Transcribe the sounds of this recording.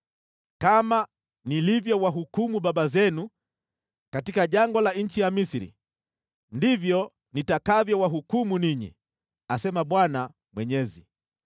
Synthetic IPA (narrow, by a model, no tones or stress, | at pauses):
kama | nilivjɔwaɦukumuɓaɓazɛnu | katikaʄaŋɡɔlaɲ̩t͡ʃijamisiɾḭ | ndivjɔ | nitakavjɔwaɦukumuniɲḭ | asɛmaɓwana | mwɛɲɛzḭ